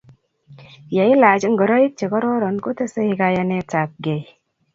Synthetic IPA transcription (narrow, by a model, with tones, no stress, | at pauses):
ja˨i˦la˨d͡ʒi˦ŋɡɔ˨ɾo˦ji˦k̚t͡ʃe˨kɔ˦ɾɔ˦ɾɔ˨nku˦te˦se˦i˦ɡa˧ja˧˦ne˦ta˨p̚ɡe˨j